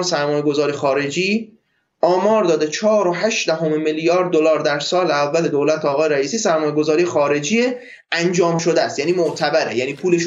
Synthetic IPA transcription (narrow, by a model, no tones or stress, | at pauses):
nsæɾmɒːje̞ɡozɒːɾijexɒːɾe̞d͡ʒiː | ʔɒːmɒːɾd̪ɒːd̪et͡ʃʰɒːɾoɦæʃd̪æɦomemeljɒːɾd̪̚ːolɒːɾd̪æɾsɒːleævːæle̞d̪owlæt̪ʰeːɣɒːjeɾæiːsiːsæɾmɒːjeɡozɒːɾijexɒːɾe̞d͡ʒiːe | ʔænd͡ʒɒːmʃod̪ææst̪jæːniːmoʔt̪ʰæbæɾḛjæniːpʰuːleʃ